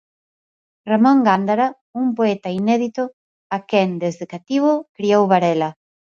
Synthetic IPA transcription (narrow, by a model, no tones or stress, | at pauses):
ramɔ̃ŋɡand̪aɾa | umpoɛt̪ɐinɛðit̪ʊ | akɛnd̪ezðekat̪iβʊkɾiowβaɾɛlɐ